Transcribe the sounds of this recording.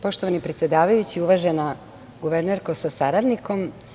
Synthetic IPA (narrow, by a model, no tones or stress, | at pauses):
po̞ʃt̪oʋanipɾet̪sje̞d̪aːʋajut͡ɕiuʋaʒena | ɡuʋeɾneɾkosasaɾad̪niko̞m